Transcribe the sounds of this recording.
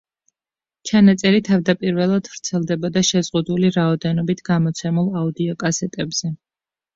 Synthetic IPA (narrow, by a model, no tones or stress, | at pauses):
t͡ʃʰanat̪sʼɛɾit̪ʰavd̪apʼiɾvɛlˠad̪̥vɾt̪sʰɛlˠd̪ɛbɔd̪aʃɛzʁud̪uliɾaɔd̪ɛnɔbit̪ʰɡamɔt̪sʰɛmulˠaud̪iɔkʼasɛt̪ʼɛbz̥ɛ